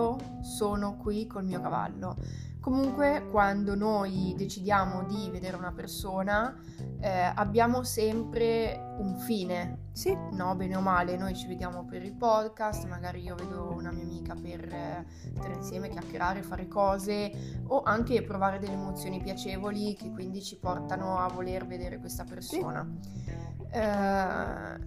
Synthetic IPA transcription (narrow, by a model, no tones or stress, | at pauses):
o | soːnokwikːolmiːokava̰lːo | komuŋkwekwand̪onojd̪et͡ʃid̪jaːmod̪ived̪eːɾeunapersoːna | ɛa̰bːjaːmosɛmpɾe | uɱfiːne | sinɔbɛːneomaːlenojt͡ʃived̪jaːmopeɾilpɔd̪kast̪maɡaːɾiiːoveːd̪ounamiːamiːkaper | st̪aːɾeinsjɛːmekjakːeɾʔaːɾefaːɾekɔːzeoʔaŋk̟epɾovaːɾed̪elːeːmot̪sːjoːnipjat͡ʃeːvolikekːwind̪it͡ʃipɔrt̪anoavolerved̪eːɾekwest̪apersoːna̰ | ɛ